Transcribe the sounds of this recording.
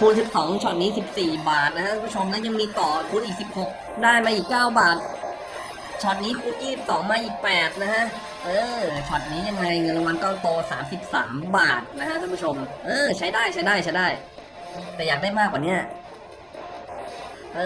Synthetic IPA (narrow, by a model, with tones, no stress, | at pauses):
kʰuː˧nsi˨˩p̚sɔː˩˦ŋt͡ɕʰɔ˨˩t̪̚niː˦˥si˨˩p̚siː˨˩baː˨˩t̪̚na˦kʰa˥kʰu˧˩mbu˥˩t͡ɕʰo˧mna˦˥˩ja˧ŋmiː˧t̪ɔː˨˩kʰuː˧nʔiː˨˩k̚si˨˩p̚ho˨˩k̚ | daː˥˩jmaː˧ʔiː˨˩kːaː˥˩wbaː˨˩t̪̚ | t͡ɕʰɔː˨˩t̪̚niː˦˥kʰuː˧˥njiː˥˩i˨˩p̚sɔː˩˦ŋmaː˧ʔiː˨˩k̚pɛː˨˩t̪̚na˦˥kʰa˦˥ʔ | ʔɤː˧t͡ɕʰɔː˨˩t̪̚niː˦˥ja˧ŋna˧jŋɤ˧nla˧wa˧nkɔː˥˩t̪oː˧saː˩˦msi˨˩p̚sa̰ː˩˦mbaː˨˩t̪̚na˦˥kʰa˦˥kʰu˧˦bʰu˦˥˩t͡ɕʰo˧mʔɤː˧t͡ɕʰa˦˥jdaː˥˩jt͡ɕʰa˦˥jdaː˥˩jʰt͡ɕʰa˦˥jdaː˥˩j | t̪ɛː˨˩jaː˨˩k̚daː˥˩jmaː˥˩k̚ːwaː˨˩ni˦˥ɐ | ʔɤː˧